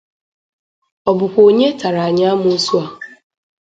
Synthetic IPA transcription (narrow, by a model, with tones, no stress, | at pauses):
ɔ˨bʊ˨kʷo˨ɲe˦tʰa˨ɾa˨a˨ɲa˦mʊ̃˦su˦a˨